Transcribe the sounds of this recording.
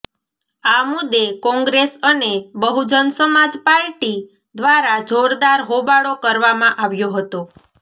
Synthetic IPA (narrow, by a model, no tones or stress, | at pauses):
amʊd̪ekɔ̃ŋɡɾesənebəɦud͡ʒənəsəmad͡ʒpaɾʈi | d̪ʋaɾad͡ʒoɾd̪aɾɦobaɽokəɾʋamãʔaʋjoɦət̪o